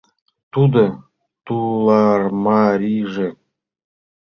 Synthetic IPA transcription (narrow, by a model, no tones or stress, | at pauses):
t̪ud̪ɤ̆ | t̪ulˠɑrmɑɾʲiʐĕ